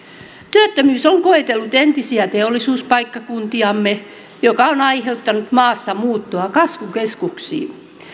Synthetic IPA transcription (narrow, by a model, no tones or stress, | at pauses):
t̪yøt̪ːømyːsoŋkoet̪elːut̪ent̪isiæt̪eolːˑisuːspɑikːɑkunt̪iɑmːe | jokɑonɑiheut̪ːɑnut̪mɑːsːɑmuːt̪ːoɑkɑsʋukeskuksḭː